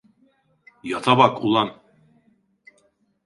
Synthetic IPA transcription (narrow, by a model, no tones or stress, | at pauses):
jɑt̪ʰɑβɑkulˠɑn